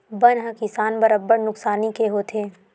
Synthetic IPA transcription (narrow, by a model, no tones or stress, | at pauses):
bɐnɦɐkɪsaːnbɐɾəbːəɽnʊksaːnikeɦoːt̪ʰeː